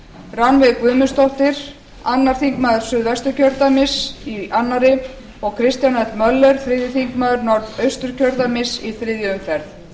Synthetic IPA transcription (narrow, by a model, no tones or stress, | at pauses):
ranvɪðkvʏːmʏst̪ɔht̪ɪɾ̥ | anːaɾ̥θiŋkmaːðʏɾ̥sʏðvɛst̪ʏɾ̥cʰœɾt̪amɪsianːaɾɪ | ɔɣkʰɾɪst̪janɛt̪mœlːœɾ̥θɾɪːðjɪθiŋkmaːðʏɾnɔɾðœɥst̪ʏɾ̥cʰœɾt̪amɪsiθɾɪːðjʏʏmfɛɾθ